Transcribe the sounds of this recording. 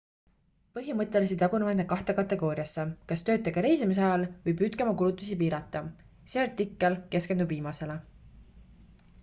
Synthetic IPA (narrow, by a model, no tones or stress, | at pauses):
pɤɦimɤt̪ːˑe̞lisid̪ɑɡunumenekɑht̪ekɑt̪ːˑe̞ɡ̥o̞ːɾiɑsːekɑst̪ø̞ːt̪ːˑeɡ̥ɑɾe̞jsimis̬ɑjɑlvɤjbyt̪kemɑkulut̪ːˑusipiːɾɑt̪ˑːɑ | seɑɾt̪ːikˑːɑlke̞skend̪ubviːmɑse̞le